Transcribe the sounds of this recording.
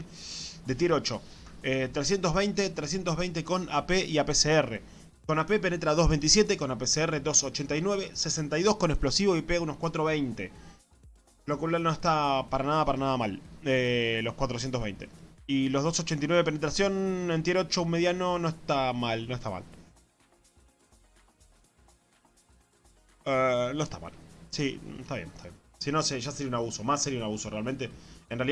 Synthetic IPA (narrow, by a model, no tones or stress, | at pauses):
d̪et̪jeɾo̞t͡ʃo | et̪ɾesje̞nt̪oɦβejnt̪et̪ɾesje̞nt̪oɦβejnt̪eko̞napeʔiapeseere | ko̞nape̞p̬ene̞t̪ɾaðo̞zβejnt̪isje̞t̪eko̞napeseereðo̞sot͡ʃent̪ajnwe̞βesesent̪ajðo̞hkonehplo̞siβo̞ipeunohkwat̪ɾo̞βejnt̪e | lokolalno̞eht̪apaɾanað̞apaɾanað̞amalelo̞hkwat̪ɾos̬jent̪oβejnt̪e̞̰ilo̞ɦðosot͡ʃent̪inweβp̬ene̞t̪ɾasjo̞nent̪jeɾot͡ʃoumeðjanono̞eht̪amalno̞eht̪a̰ma̰l | eno̞eht̪a̰ma̰lsḭest̪aβjḛnt̪aβjen | sinoseʒaseɾiaunaβusomasːeɾiaunaβusorealment̪e̞enreali